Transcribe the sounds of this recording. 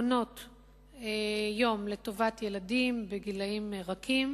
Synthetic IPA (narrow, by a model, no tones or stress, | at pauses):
no̞t | ejo̞mle̞to̞vatjeladimbeɡilaimʁakʰim